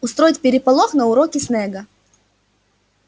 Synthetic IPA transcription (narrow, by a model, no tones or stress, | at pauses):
ʊst̪ɾo̞jɪtʲpʲɪɾʲɪpɐlˠoxnɐʊɾokʲɪsnɛɡə